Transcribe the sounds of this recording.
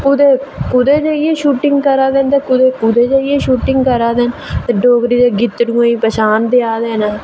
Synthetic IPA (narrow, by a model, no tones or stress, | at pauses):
kʊd̪eːkʊd̪eːd͡ʒaːieːʃuːʈɪŋɡkəɾaːd̪eːnt̪eːkʊd̪eːkʊd̪eːd͡ʒaːijeːʃuːʈɪŋɡkəɾaːd̪eːnt̪eːɖoːɡɾiːd͡ʒ̪eːɡɪt̪ːɽũːãːĩːpəʃaːnd̪eaːd̪eːnaː